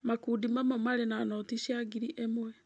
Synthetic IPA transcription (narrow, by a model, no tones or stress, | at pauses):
makuːdimamɔmaɾenanɔtiʃaɡiɾiʔemwɛ